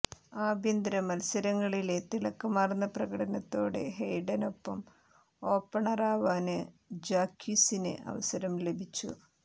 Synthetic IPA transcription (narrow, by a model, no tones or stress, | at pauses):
aːbʱjɐnd̪ɾɐmɐlsɐɾɐŋːɐɭile̞t̪iɭɐkːɐmaːrnːɐprɐɣɐɽɐnɐt̪ːo̞ːɽe̞̰ɦejɽɐno̞pːɐm | o̞ːpːɐɳɐraːʋaːnɨ | d͡ʑaːkʰːisinḛʔɐ̰ʋɐsɐɾɐmle̞bʱit͡ɕːṵ